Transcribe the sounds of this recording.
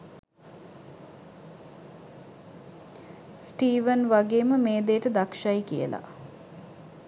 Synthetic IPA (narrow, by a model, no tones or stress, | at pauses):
sʈiːʋənʋaɡeːməmeːd̪eːʈəd̪akʃajkijə̰la̰